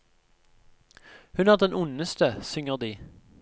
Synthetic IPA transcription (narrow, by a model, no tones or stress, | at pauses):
hʉnæʁd̪ɛnʔʊnəst̪əsʏŋəʁd̪iː